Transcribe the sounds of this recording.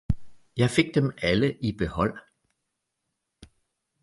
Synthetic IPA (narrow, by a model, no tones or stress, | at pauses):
jɑ̈ɪfe̝ɡ̥̚d̥emæləʔib̥e̝hɒ̽l̰